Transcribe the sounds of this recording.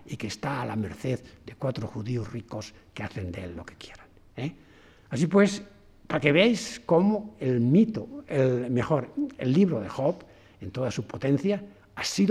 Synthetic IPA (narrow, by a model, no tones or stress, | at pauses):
ikeːst̪aːlameɾθeðd̪ekwat̪ɾoxuðiozrikoskeaθend̪eḛlːoke̥kjeɾan | e | as̬ipwes | pakeβejskomoelmit̪oelmexoɾḛlːiβ̞ɾoðexop | ent̪oðasupot̪ẽn̟θja | asið